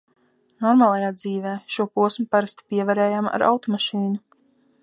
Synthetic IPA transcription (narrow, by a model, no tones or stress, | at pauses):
nɔɾmaːlˠajaːd̪ziːvɛːʃuɔpuɔsmupaɾast̪i̥piɛvaɾɛːjaːma̰ɾʔa̰wt̪ɔmaʃiːnu